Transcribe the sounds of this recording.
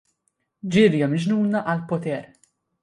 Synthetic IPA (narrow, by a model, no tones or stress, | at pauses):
d͡ʒɪɾjɐmɪd͡ʒnuːnɐʔɐlpɔt̪ɛːɾ